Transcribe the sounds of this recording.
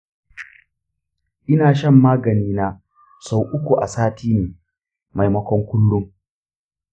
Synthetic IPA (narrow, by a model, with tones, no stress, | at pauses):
ʔɪ˦naː˨ʃɐ˦˨mːaː˦ɡɐ˨niː˦na˦ | sa˦˨wʔʊ˦kʷu˨ʔa˨saː˦tʰiː˦neː˨ | ma˨jmɐ˦kʷɔ˦ŋkʷʊ˦lːʊ˦ŋ